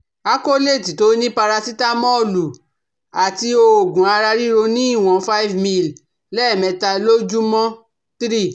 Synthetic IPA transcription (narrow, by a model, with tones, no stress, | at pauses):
a˦ko˦le˦˨ti˨to˨˦nĩ˦pa˧ɾa˧si˦ta˦mɔ̃˦o˦˨lu˨ | a˨ti˧o˧o˨ɡũ˨a˧ɾa˧ɾi˦ɾo˧nĩ˦i˦˨w̃ɔ̃˨fa˦i˦vmĩ˦˨l | lɛ˦˨mɛ̃˨˧ta˧lo˦d͡ʒu˦mɔ̃˦ | tɾi˦˨